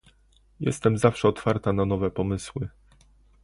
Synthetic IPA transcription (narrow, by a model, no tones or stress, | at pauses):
jɛ̰st̪ɛmzafʂɛɔt̪faɾt̪ananɔvɛpɔmɘswɘ